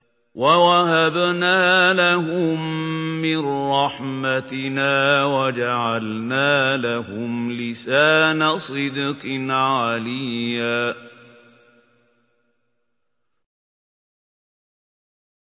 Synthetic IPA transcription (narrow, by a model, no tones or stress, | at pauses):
wawaɦabnaːlahʊmːɪnɾˤɑħmat̪ɪnaːwad͡ʒaʕalnaːlahʊmlɪsaːnasˤɨd̪qʕalɪjːaː